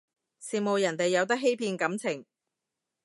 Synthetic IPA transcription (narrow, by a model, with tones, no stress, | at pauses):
siː˨mo˨˧wjɐ˨˩nt̪e˨jːɐ˨˧wt̪̬ɐ˥k̚ɦe˥jpʰiː˧nkɐ˨˥mt͡sʰɪ˨˩ŋ